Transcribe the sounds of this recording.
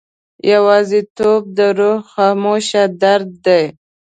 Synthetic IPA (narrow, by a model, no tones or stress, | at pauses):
jawɑːzit̪ob̚d̪əɾohxɑːmoʃad̪aɾd̪̚ːaj